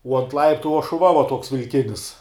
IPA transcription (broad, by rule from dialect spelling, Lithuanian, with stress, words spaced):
uɔ ɐnt ˈlˠɐɪptʊ uɔ ʃʊˈʋɐ ʋɐ ˈtuɔks ʋʲɪlʲˈkʲɪnʲɪs